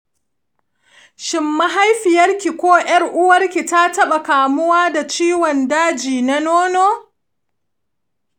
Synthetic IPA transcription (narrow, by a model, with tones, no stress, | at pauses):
ʃɪ˨mːa˦ɦa˦jɸɪ˨jɐ˦rkʲi˨kʷoː˦j̰ɐ˦rʔʊ˦wɐ˦rkʲi˨ta˦tɐ˦ɓa˨kaː˨mʊ˦waː˦da˨t͡ʃiː˦wɔ˨ndaː˦d͡ʒiː˨na˦noː˦noː˦